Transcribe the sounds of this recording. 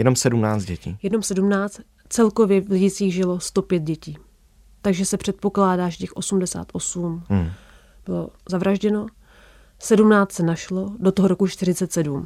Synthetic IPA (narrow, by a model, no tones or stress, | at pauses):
jɛnomsɛdumnaːt͡s̪ɟɛcḭːjɛdno̞msɛdumnaːt͡st̪ | t͡sɛlkovjɛvlɪɟɪt͡siːɣʒɪlo̞st̪o̞pjɛt̪̚ɟɛciː | t̪aɡʒɛsɛpr̝̥ɛt̪̚po̞klaːdaːʒɛcɛxʔo̞sumdɛsa̰ːt̪ʔo̞sum | b̥ɪlo̞̰zavɾaʒɟɛno̞ | sɛdumnaːt͡st̪sɛnaʃlo̞do̞t̪oɦoɾo̞kut͡ʃt̪ɪrɪt͡sɛt̪sɛdum